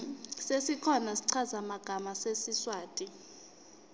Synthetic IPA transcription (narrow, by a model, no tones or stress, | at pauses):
sesikʰɔnasi̥ǀʰazamaɡ̥ʱamasesiswaːtʼi